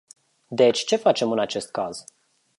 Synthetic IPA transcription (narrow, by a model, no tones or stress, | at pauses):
d̪e̞t͡ʃʲt͡ʃe̞fat͡ʃe̞mɨnat͡ʃe̞st̪̚kaz̥